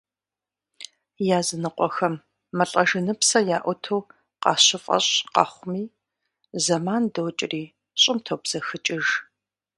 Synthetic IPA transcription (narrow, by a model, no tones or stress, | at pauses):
jaːzɨnɨqʷʼɔxɐmː | ɐɬʼɐʒɨnɨpsɐjaːʔʷʊtʰow | qɑ̰ːɕɪfʼɐ̰ɕʼqɑ̰χʷʊmiː | zɐmaːndowt͡ʃʼɪriː | ɕʼɪmtʰowbz̥ɐxɨt͡ʃʼɪʒ